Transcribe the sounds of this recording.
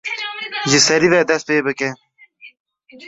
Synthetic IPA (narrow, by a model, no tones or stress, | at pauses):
ʑisɐɾived̪ɐspeːbəke